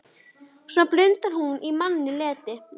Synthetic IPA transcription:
saplʏnt̪aɾ̥hunʔimanːɪlɛːt̪ɪ

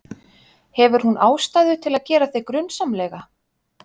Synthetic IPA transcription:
hɛvʏɾ̥hunʔaːwst̪aːjðʏt̪ʰɪlaðcɛːɾaθejkɾʏnːsamlɛɣa

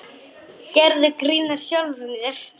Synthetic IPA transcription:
cɛɾðʏkɾiːnaɾ̥sjawlviðɪr̥

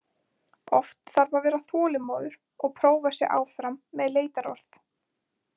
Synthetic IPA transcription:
ɔft̪θaɾvavɛːɾaθɔːlɪmoːðʏɾ̥ | ɔɣpʰɾoːwvasjɛɣʔa̰ːwfɾamːɛðleːjt̪aɾɔ̰ɾ̥θ

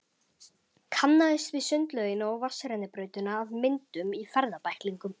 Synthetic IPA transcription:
kʰanːaðɪst̪vɪðsʏnt̪lœðɪnːaɔɣvasːaɾɛnɪpɾœːɥt̪ʏnaːvmɪnt̪ʏmifɛɾðapajhkliŋkʏm

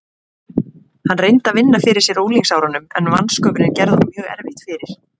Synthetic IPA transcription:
hanːrejnt̪avɪnːafɪːɾɪ̥sjɛɾoːwliŋsawɾanːʏmɛ̰nva̰nskœːpʏɾɪncɛɾðʏhanmjœːɣɛ̰ɾvɪht̪fɪːɾɪɾ̥

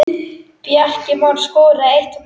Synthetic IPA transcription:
pjahcɪmawnskoːɾaejht̪m

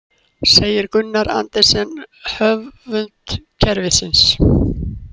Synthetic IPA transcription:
seːjɪɾkʏnːaɾa̰nt̪ɛ̥sɛnhœvvʏnt̪cʰɛɾvɪsɪns

